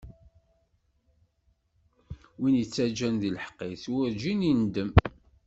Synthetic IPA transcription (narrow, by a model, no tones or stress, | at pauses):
winjət͡sːæd͡ʒænðilħə̥qːiθwʊɾd͡ʒinind̪əm